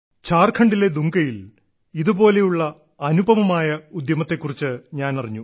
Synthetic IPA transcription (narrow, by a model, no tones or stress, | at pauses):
t͡ɕaːrkʰɐɳɖile̞d̪uŋɡɐjil | iðubo̞ːle̞juɭːɐ | ɐnubʱɐʋɐmaːjɐud̪jɐmɐt̪ːe̞kːurit͡ɕːɨɲaːnɐriɲːu